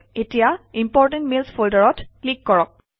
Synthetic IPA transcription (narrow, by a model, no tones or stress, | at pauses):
etijaimpɔɹtɛ̃ntmilspʰoldɔɹɔtklikːɔɹɔk̚